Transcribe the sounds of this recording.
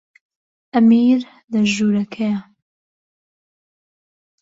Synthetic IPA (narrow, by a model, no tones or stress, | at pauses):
ʔɐmiːɾ | lɐʒuːɾɐkʰɐjɐ